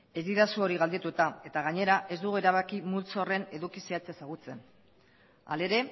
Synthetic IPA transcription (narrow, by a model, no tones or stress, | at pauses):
e̞zd̪iðasuo̞ɾiɣald̪et̪uet̪ae̞t̪aɣ̞aɲe̞ɾae̞zd̪uɣue̞ɾaβ̞akimult͡so̞re̞ne̞ðukiseat͡seasaɣ̞ut͡se̞n | a̰le̞ɾe̞